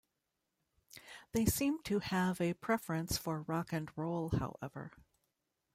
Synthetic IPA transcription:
ðeɪsĩmtʰɨəvɨpʰɹ̥ɛfɹɨ̃nsfə˞ɹɑkɨ̃nɹoʊlˠha̰ʊʔɛvə̰˞

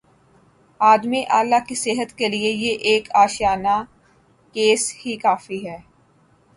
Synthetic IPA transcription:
aːd̪miʔaːlːakiseɦət̪keliejeʔeːkaːʃjaːna | keːshikaːfiɦɛː

